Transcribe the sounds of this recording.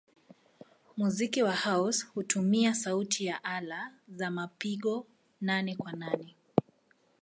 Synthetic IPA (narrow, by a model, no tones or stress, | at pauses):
muzikiwahaushutumiasautʰijaʔalazamapiɠɔ | nanɛkwananɛ